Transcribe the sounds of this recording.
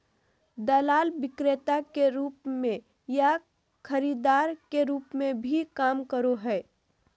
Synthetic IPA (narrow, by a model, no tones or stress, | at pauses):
d̪əlaːlʋɪkɾet̪akeɾuːpmẽ | ja | kʰəɾiːd̪aːɾkeɾuːpmẽbʱikaːmkəɾoɦɛ